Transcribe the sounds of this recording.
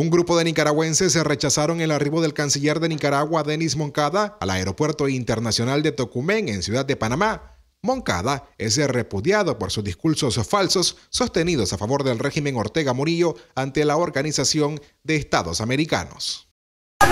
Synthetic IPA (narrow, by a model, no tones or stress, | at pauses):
uŋɡɾupo̞ðe̞nikaɾaɣwe̞nse̞sːere̞t͡ʃasaɾo̞ŋe̞lariβo̞ðe̞lkansiʝe̞ɾðe̞nikaɾaɣwaðe̞nizmo̞ŋkaðaːla̰eɾo̞pwe̞ɾt̪o̞int̪eɾnasjo̞nald̪e̞t̪o̞kume̞ŋe̞nsjuðad̪ːepanama | mo̞ŋka̰ðae̞s̬ere̞puðjaðo̞po̞ɾsuzðiskuɾso̞sfalso̞sːo̞st̪e̞nið̞o̞safaβo̞ɾðe̞lrexime̞ŋo̞ɾt̪e̞ɣamuɾiʝoant̪e̞laoɾɣanisasjo̞n | d̪e̞ːst̪aðo̞same̞ɾika̰no̞̰s